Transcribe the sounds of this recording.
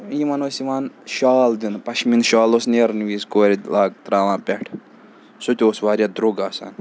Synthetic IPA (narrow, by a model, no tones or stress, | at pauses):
jimɐnoːsiʋaːnʃaːld̪inpɐʃminʃaːlosneːɾnʋiːskoːɾʲilaːɡt̪ɾaːʋãːnpʲɛʈʰ | sut̪ʲoːsʋaːɾʲjad̪ɾuɡaːsa̰ːn